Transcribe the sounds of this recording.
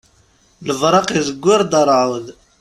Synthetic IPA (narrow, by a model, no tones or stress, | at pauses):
ləvɾˤɑqizəɡʷːɪɾˤd̪əɾˤʕuð